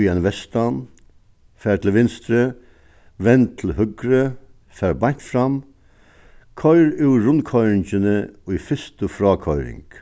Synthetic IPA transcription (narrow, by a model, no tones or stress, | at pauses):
iɛnʋɛst̪an | fæːt̪ʰl̩ʋɪnst̪ɾə | ʋɛnt̪ʰɪl̩hʏɡɾə | fæːɾbat̪fɾam | kʰœʏɾʉːɹʊnkʰɔʏɾɪɲt͡ʃənəɔifɪst̪əfɾɑːkʰɔʏɾɪ̰ŋk